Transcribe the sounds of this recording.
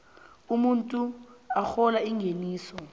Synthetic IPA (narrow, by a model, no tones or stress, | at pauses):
umuntʼuaxɔlaiŋɡʱeniːsɔ